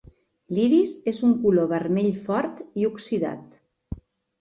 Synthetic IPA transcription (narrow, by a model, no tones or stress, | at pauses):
liɾizezuŋkuloβəɾmeʎfɔɾt̪iuksiða̰t̪